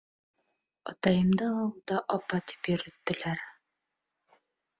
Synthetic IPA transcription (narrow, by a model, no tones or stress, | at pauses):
ɒt̪ɑjɤ̆md̪ɑɑwɤd̪ɑʔɒpɑt̪i̥pjɵ̆ɾɵ̆t̪ːɘ̆læɾ